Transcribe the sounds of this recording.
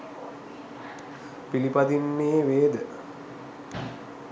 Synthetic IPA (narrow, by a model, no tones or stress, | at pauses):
pilipad̪inːeːʋeːd̪ə